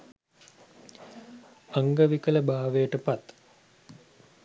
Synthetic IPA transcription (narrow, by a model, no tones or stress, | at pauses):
aŋɡəʋikələbaːʋejəʈəpat̪